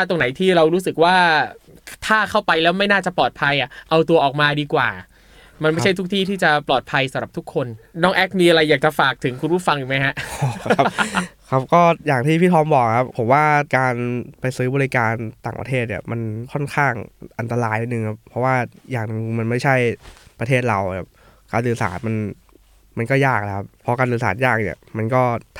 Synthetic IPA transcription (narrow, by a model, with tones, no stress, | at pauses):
a˥˩t̪o˧ŋna˩˦jt̪ʰiː˥˩ɾa˧wɾuː˦˥sɯ˨˩k̚waː˥˩ | t̪ʰaː˥˩kʰa˥˩wpa˧jlɛː˦˥wma˥˩jnaː˥˩t͡ɕa˨˩plɔː˨˩t̪̚pʰa˧jʔa˨˩ʔa˧wt̪u˧ɐʔɔː˨˩k̚maː˧diː˧kwaː˨˩ | ma˧nma˥˩jt͡ɕʰjt̪u˦˥k̚t̪ʰiː˥˩t̪ʰiː˥˩t͡ɕa˨˩plɔː˨˩t̪̚pʰa˧jsa˨˩˦mɾa˨˩p̚t̪u˦˥kʰːo˧nnɔː˦˥ŋʔɛ˦˥k̚miː˧ʔa˧ɾa˧jːaː˨˩k̚t͡ɕa˨˩faː˨˩k̚t̪ʰɯ˩˦ŋkʰu˧npʰu˥˩fa˧ŋʔi˨˩ma˦˥jha˦˥ʔa˦˥kʰa˦˥p̚kɔː˥˩jaː˨˩ŋt̪ʰiː˥˩pʰiː˥˩t̪ʰɔː˧˥mbɔː˨˩k̚kʰa˦˥pʰːo˩˦mwaː˥˩kaː˧npa˧jsɯː˦˥bɔː˧li˦˥kaː˧nt̪a̰ː˨˩ŋpa̰˧t̪ʰeː˥˩t̪̚nḭ˧˩ma˧nkʰɔ˥˩nkʰaː˥˩ŋʔa˧nt̪a˧laː˧jʔa˧˩nɯ˨˧ŋkʰa˦˥p̚ʰɾɔ˦˥waː˥˩jaː˨˩ŋnɯ˨˧ŋma˧nma˥˩jt͡ɕʰa˥˩jpɾa˧t̪ʰeː˥˩t̪̚ɾa˧wkʰa˦˥˩p̚ | kaː˧nlɯː˧sa̰ː˩˦nma˧n | ma˧nkɔː˥˩jaː˥˩k̚la˦˥kʰa˦˥pʰɔ˦˥kaː˧nlɯː˧sa̰ː˩˦˥njaː˥˩k̚nḭ˨˩ɐma˧nkɔː˥˩